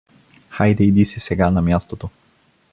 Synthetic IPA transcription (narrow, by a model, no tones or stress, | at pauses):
xajd̪ɛid̪isisɛɡanamʲjast̪ot̪o